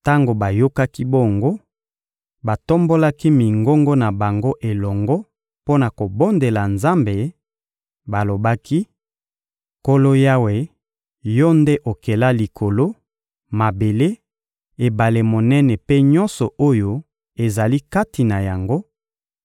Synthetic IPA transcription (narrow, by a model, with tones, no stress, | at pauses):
ta˦ŋɡo˨ba˨jo˦ka˦ki˦bo˦˨ŋɡo˦ | ba˨to˦mbo˦la˦ki˦mi˨ŋɡo˦ŋɡɔ˦na˨ba˨ŋɡo˦ʔe˨lɔ˨ŋɡɔ˦ | po˦na˨ko˨bo˦nde˨la˨nza˦mbe˨ | ba˨lo˨ba˦ki˦ | ko˦lo˦ja˦we˨ | jɔ˦nde˦ʔo˨ke˨la˦li˨kʰo˨lo˦ | ma˨be˨le˦ | e˨ba˨le˨mo˨nɛ˦nɛ˨pe˦ɲɔ˦nsɔ˨o˦jo˦ | e˨za˨li˦ka˦ti˨na˨ja˨ŋɡo˦